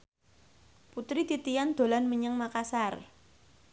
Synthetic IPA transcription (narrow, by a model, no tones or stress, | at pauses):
put̪ɾit̪it̪ijand̪̥o̤lanməɲəŋmakasar